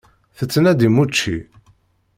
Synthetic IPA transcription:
θət͡sːənæd̪imut͡ʃːi

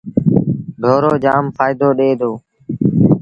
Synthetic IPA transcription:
ɖʱoːɾoːd͡ʒaːmfʰaːɪd̪oːɗeːd̪ʱoː

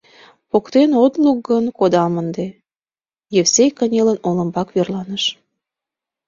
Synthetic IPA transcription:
pokt̪enot̪lukːənkod̪ɑmənd̪e | jefsejkənʲelənoləmbɑkβerlɑnəʃ

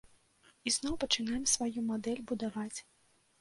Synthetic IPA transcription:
iznɔwpɐt͡ʂɨnajɛmsvajumad̪ɛlʲbud̪avat͡sʲ

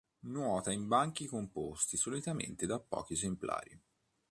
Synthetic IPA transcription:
nwɔːt̪aimbaŋk̟ikompost̪isolit̪amḛnt̪ed̪apːɔ̰ːk̟iezempla̰ːɾḭ

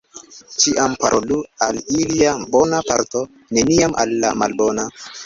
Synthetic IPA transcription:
tiʔampaɾʔolualiliabo̞napaɾto̞ | ne̞niamʔa̰lːa̰ma̰lbona

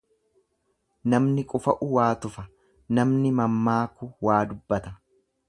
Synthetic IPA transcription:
nɐmnɪkʼʊfɐʔʊwaːt̪ʊfɐ | nɐmnɪmɐmːaːkʊwaːd̪ʊbːɐt̪ɐ

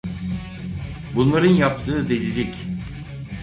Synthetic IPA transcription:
bunlˠaɾɯnjap̚t̪ʰɯːd̪elʲilʲic

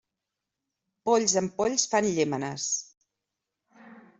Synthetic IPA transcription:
poʎzəmpoʎsfanʎemənəs

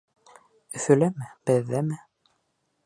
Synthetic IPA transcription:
ɵ̆θɵ̆læmɘbɘ̆ðːæmɘ

